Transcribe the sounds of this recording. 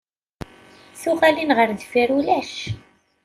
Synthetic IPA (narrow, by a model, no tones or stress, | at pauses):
θʊʁælinʁəɾðfiɾulæʃ